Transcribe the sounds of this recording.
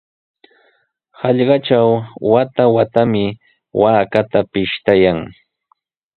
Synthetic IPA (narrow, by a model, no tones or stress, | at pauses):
hɑʎɢɑt͡ʃawwat̪awat̪amɪ | waːkat̪apɪʃt̪ajaŋ